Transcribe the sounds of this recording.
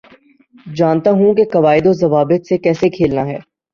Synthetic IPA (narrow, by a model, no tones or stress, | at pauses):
d͡ʒaːnt̪aɦũkekɐʋaːɪd̪ozɐʋaːbət̪sekɛːsekʰeːlnaɦɛː